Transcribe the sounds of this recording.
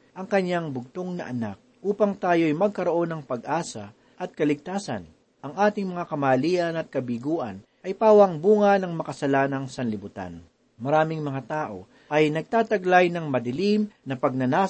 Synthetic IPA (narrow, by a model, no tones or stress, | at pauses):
ʔɐŋkɐɲːaŋbʊɡ̚t̪oŋnɐ̰ʔɐnak̚ʔuːpɐŋt̪aːjojmɐɡ̚kɐɾo̞ʔo̞nɐŋpɐɡʔaːsɐ | ʔɐt̪̚kɐlɪɡ̚t̪aːsɐ̰n | ʔɐŋʔaːt̪ɪŋmɐŋakɐmaːliːʔɐnɐt̪̚kɐbiɡuːʔɐ̰n | ʔɐjpaːwɐŋbuːŋɐnɐŋmɐkɐsɐlaːnɐŋsɐnlɪbʊt̪a̰n | mɐɾaːmɪŋmɐŋat̪aːʔo̞ | ʔɐjnɐɡ̚t̪aːt̪ɐɡlajnɐŋmɐd̪ɪlimnɐpɐɡ̚nɐnaː